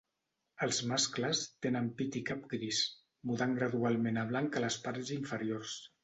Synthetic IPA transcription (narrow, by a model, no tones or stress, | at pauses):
əlˠzmaskləst̪enəmpit̪ikapɡɾis | muðaŋɡɾəðualˠmenəβ̞laŋkələspaɾziɱfəɾiors